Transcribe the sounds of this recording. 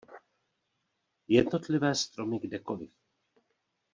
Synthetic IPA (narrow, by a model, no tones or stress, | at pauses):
jɛdno̞t̪lɪvɛːst̪ɾomɪɡdɛko̞lɪf